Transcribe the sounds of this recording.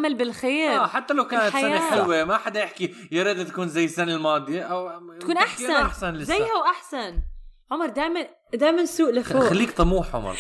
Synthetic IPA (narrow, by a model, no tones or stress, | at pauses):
malbɪlxeːɾaħat̪ːalawkaːnat̪ħajaaːxɪlwimaħad̪ajɪħki | jɪɾiːd̪t̪ḁkuːnzajːɪsanalmɑːd̪ˤjʔaw̪akuːnʔaħaʔaħsanlɪzajːhawʔaħsanʕʊmɑɾˤd̪aːjman | d̪aːjmansuːʔlɪfoːxalːiːk̚t̪ˤɑmuːħʕʊ̰mɑ̰ɾˤ